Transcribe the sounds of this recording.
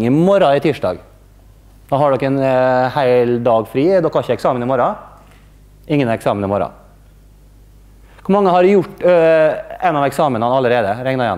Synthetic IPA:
ŋɪmɔɾɑɪt̪ʰiːʂɖɑ̰ːɡ | d̪̥ɑːhɑɖɔkːɛnhæɪld̪ɑːɡfɾiːd̪ɔkːɑçəɛksɑːmənɪmɔɾɑ | ɪŋːənɛksɑːmənɪmɔɾɑ̰ | kʰʊɾmɑŋːəhɑɾjʊʈː | ɛnːɑʋɛksɑːmənɑnɑlːəɾeːd̪əɾɛŋnɑɾjɑ̰n

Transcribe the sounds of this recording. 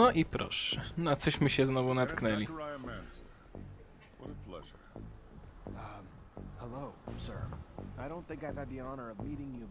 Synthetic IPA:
ɔʔipɾʔɔ̰ʂɛnat̪sɔɕmɘɕɛznɔvunat̪knɛlʲiə˞aɪə̃mæ̃nsə | wʌɾəpʰl̥ɛ̰ʒə̰˞ | hɛloʊsɜ˞aɪɾõʊ̃nθɪ̃ŋkaɪvɨd̪̚ðiɑnə˞ʌvmiɾɪ̃ŋjɨ

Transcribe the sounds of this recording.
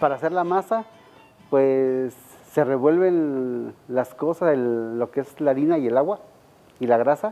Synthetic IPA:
paɾaseɾlamasa | pwesː | ereβwelβen | laskosaseːokeeslaɾinaielawa | ilaɣɾasa

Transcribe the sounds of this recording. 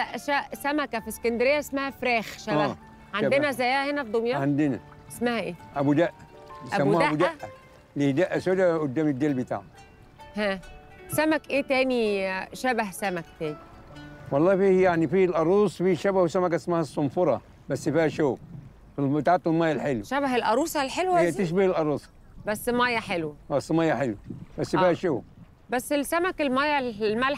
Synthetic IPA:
læʔʃæsæmækæfiskænd̪ɾejːæʔesmæhæfɾæːxʃææː | ʕand̪enæzæjæːhenæfd̪omjɑʕand̪ɪnæ | ʔesmæhæʔeːʔæbud̪æʔːæ | jsæmːuːæud̪æʔːæ | lid̪æʔːæsoːd̪æʔod̪ːæːmid̪ːelbit̪a̰ʕ | hæː | sæmækʔeːt̪æːniʃæbæhsæmækt̪æːni | wɑlˤːɑːfiːhjaʕnifiːlʔɑɾˤuːsˤfiːʃæbæhwesæmæk̬æsmæhæsˤːomfoɾˤɑ | bæsːfiːhæʃoː | filbt̪ʕat̪ːɪlmɑːjːælħelwæʃæβæɦelʔɑɾˤuːsˤɑlħelwæjːæt̪eʃ̬bæhɪlʔɑɾˤuːsˤ | bæsːmæjːæħelwææsːmɑjːæħelwæbæsːfiːhæʃoː | bæsːelsæmækelmæjælmæl

